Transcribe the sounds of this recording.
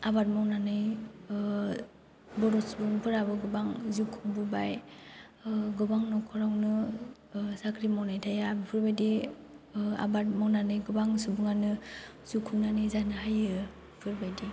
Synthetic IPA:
abat̚mawnanɯj | bɔɾɔsubuŋpʰɯɾabɯɡɯbaŋzukʰuŋbubaj | ɡɯbaŋnɔkʰɔɾawnɯ | sakʰɾimawnajtʰajabipʰɯɾbajdi | a̰bat̚mawnanɯjɡɯbaŋsubuŋanɯ | z̥ukʰumnanɯjzanɯhajɯ | pʰɯɾbajdi

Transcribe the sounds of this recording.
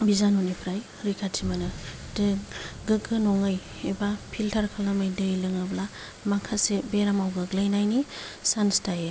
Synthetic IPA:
bizanunipʰɾaj | ɾikʰatʰimanɯ | dɯɡɯkɯnɔŋɯj | ebapʰiltʰaɾkʰalamɯjdɯjlɯŋɯbla | makʰasebeɾamawɡɯɡlajnajnisanstaje

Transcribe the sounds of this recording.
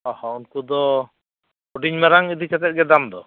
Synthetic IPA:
ɔ̃hɔunkud̪ɔ | uɖiɲmaɾaŋid̪it͡ʃat̪ɛt̪̚ɡɛd̪amd̪ɔ

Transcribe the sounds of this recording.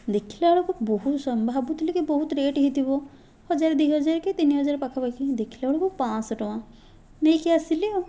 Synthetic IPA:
d̪ekʰilaɽokubɔɦut̪sɔmbʱabut̪ʰilikebɔɦut̪ɾeʈɦit̪ibɔ | hɔd͡ʒaɾd̪ijɦɔd͡ʒaɾket̪iniɦɔd͡ʒaɾpakʰabakid̪ekʰilaɽokupãsʈɔwã | nejkeasilio

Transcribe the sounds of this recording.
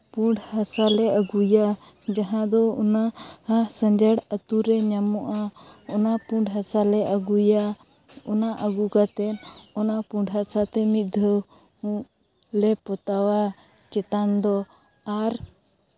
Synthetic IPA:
puɳɖhasalɛʔəɡuja | d͡ʒaɦãd̪ɔɔnahasə̃ɲd͡ʒəɽət̪uɾɛɲamɔʔaɔnapuɳɖɦasalɛʔəɡuja | ɔnaʔəɡukat̪ɛnɔnapuɳɖɦasat̪ɛmit̪̚d̪ʱəw | lɛpɔt̪awa | t͡ʃɛt̪and̪ɔ | aɾ

